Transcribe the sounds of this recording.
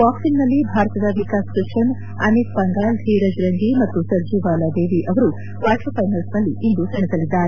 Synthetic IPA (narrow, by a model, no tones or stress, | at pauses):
kaːpsinnɐlːibʱaːɾt̪ɐd̪ɐʋikaːskɾiʂɐn | ɐ̰nit̪bɐŋɡaːld̪ʱiɾɐd͡ʒɾɐŋɡimɐt̪ːusɐɾd͡ʒiːʋaːlɐd̪eːʋiʔɐʋɐɾu | ʋaːʈɐpɐjnɐlsnɐlːiʔːnd̪usɐɳisɐlːid̪ːaːɾe